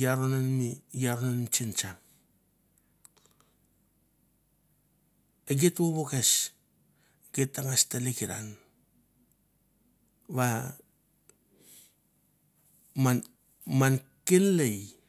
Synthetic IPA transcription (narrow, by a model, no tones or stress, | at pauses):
jaɾonanmijaɾonant͡ʃint͡ʃaŋ | eɡetwoβokes | ɡ̥etːaŋastalekiɾa̰n | βa | ma | mankenlej